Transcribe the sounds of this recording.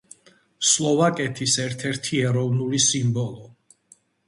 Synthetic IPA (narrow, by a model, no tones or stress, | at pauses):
slˠɔvakʼɛt̪ʰisɛɾt̪ʰɛɾt̪ʰiɛɾɔvnulisimbɔlˠɔ